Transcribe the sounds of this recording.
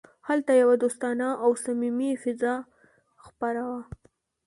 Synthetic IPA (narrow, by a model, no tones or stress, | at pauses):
halt̪ajawad̪ost̪ɑnaʔawsamimifɪzɑ | xpaɾawa